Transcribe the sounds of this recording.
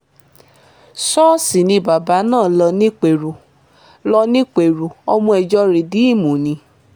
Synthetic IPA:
sɔː˦si˨nĩ˧ba˨ba˨˦nãː˦˨lɔ˧nĩ˦k͡pe˨ɾu˨ | lɔ˧nĩ˦k͡pe˨ɾu˨ɔ˧mũ˧ɛ˨d͡ʒɔ˧ɾe˨di˨˦i˦˨mũ˨nĩ˧˦

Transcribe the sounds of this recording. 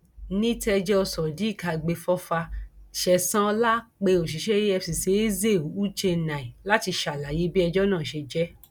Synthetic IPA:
nĩ˦tɛ˧d͡ʒɛ˦ɔ˧sɔ˨di˨˦i˦˨ka˧˨ɡ͡be˧fɔ˦fa˧ʃɛ˧sã˦˧la˦k͡pe˧o˨ʃi˨˦ʃɛ˦jɛ˧si˨se˨˦i˦ze˦˨˦u˦t͡ʃe˧nã˨i˨la˦ti˧ʃa˨la˨je˨˦bi˦ɛ˧d͡ʒɔ˦nãː˦˨ʃe˧d͡ʒɛ˦

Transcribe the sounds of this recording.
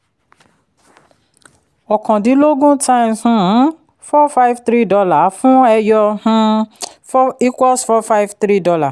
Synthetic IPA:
ɔ˨kɔ̃˨di˨˦lo˦ɡũ˦tʰã˦ĩ˨mhũ˦˨˦ | fɔ˦fa˦ivt̪ɾi˦dɔ˧la˨fũ˦ɛ˧jɔ˧hũ˦ | fi˦kwɔ˦sfɔ˦fa˦i˦ft̪ɾi˦dɔ˧la˨

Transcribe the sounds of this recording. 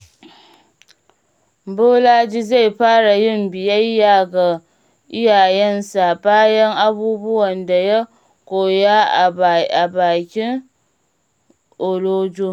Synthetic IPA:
bo˦laː˦d͡ʒi˦za˦˨jɸaː˦ɽa˨jɪ˦mbɪ˨ja˦jjaː˦˨ɡa˨ | ʔɪ˦jaː˨jɛ˦nsa˨baː˦jɛ˦ŋʔa˦buː˦bʊ˦wɐ˨nda˨ja˦ | kʷoː˨ja˦˨a˨baː˨kʲɪ˦ŋ | ʔo˨loː˦d͡ʒoː˦

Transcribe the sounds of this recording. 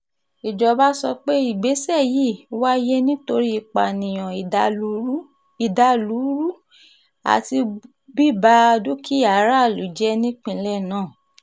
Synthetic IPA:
i˨d͡ʒɔ˨ba˦sɔ˧k͡pe˦i˨ɡ͡be˨˦sɛ˦˨ji˦˨wa˦je˦nĩ˦to˧ɾi˦i˧˨k͡pa̰˨nĩ˨j̃ɔ̃˨˦ | i˨da˧˦lu˨˦ɾu˦ | a̰˨ti˧ | bi˦˨ba˧do˦kʰi˦˨a˨˦ɾa˦˨lu˨˦d͡ʒɛ˦nĩ˦k͡pĩ˦˧lɛ˦˨nãː˦˨

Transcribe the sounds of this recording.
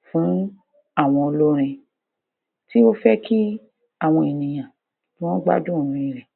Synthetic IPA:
fũ˨˦ | a˦˨w̃ɔ̃˧o˧lo˦ɾ̃ĩ˧ | ti˦o˦fɛ˦kʰi˦ | a˦˨w̃ɔ̃˧i˨nĩ˨j̃ã˨ | ti˦w̃ɔ̃˦ɡ͡ba̰˦dũ˦˨ɾ̃ũ˦˧i˨ɾɛ˨

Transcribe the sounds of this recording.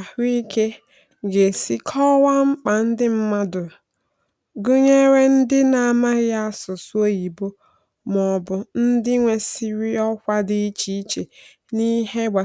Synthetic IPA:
a˨hi˦ke˦ | ɡe˨si˦kʰɔ˦wa˦ŋ͡m̩˦k͡pa˨n̩˦dɪ˦m̩˦ma˦dʊ˨ | ɡʊ˦ɲe˦ɾe˦n̩˦dɪ˦na˨a˨ma˦ɣɪ˦a˦sʊ˨su˦o˦ji˨bo˦ | mɔ˨bʊ˨n̩˦dɪ˦ŋʷe˨si˦ɾi˦ɔ˦kʷa˦dɪ˦t͡ʃi˦t͡ʃe˨ | ni˦ɦe˦ɡ͡bʷa˨

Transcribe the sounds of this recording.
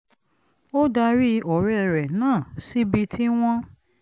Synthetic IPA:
o˦da˧ɾi˦ɔ˨ɾɛ˨ɾɛ˨nãː˦˨si˦bi˧tʰi˦w̃ɔ̃˦

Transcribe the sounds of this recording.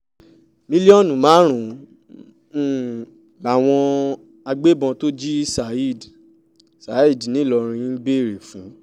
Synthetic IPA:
mĩ˦li˦ɔ˦˨nũ˨mãː˨˦ɾ̃ũ˨˦˨ | ɡ͡ba˨w̃ɔ̃˧ | a˧ɡ͡be˦bɔ̃˧to˦d͡ʒi˦sa˨i˦˨d | sa˨˦i˦˨dnĩ˨˦˨lɔ˧ɾ̃ĩ˧˦ɡ͡be˦˨ɾe˨fũ˨˦

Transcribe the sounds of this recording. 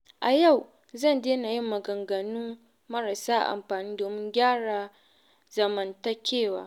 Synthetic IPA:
ʔa˨ja˦˨w | zɐ˦˨ndeː˦na˨ji˦mːɐ˨ɡɐ˨ŋɡɐ˨nuː˦ | mɐ˦ɾa˨saː˦ʔa̰˨ʔa̰˨mɸaː˨niː˦doː˨mɪ˦ŋɡʲaː˦ɽaː˨ | zɐ˨mɐ˨ntɐ˦kʲeː˦˨waː˨˦

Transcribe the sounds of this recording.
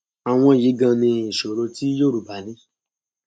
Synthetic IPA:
a˨w̃ɔ̃˧˨ji˨˦ɡã˧nĩ˧i˨ʃo˨ɾo˧ti˦joː˦˨ɾu˨ba˨˦nĩ˧˦

